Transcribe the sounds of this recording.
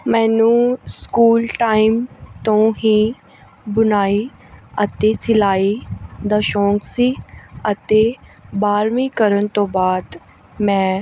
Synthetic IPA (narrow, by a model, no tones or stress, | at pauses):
mɛ̃ːnũskuːlʈaːɪmt̪õɦĩ | bʊnaːi | ɐt̪esɪlaːid̪ɐʃõːŋɡsiɐt̪ebaːɾmĩkəɾən̆t̪obaːd̪ | mɛ̃ː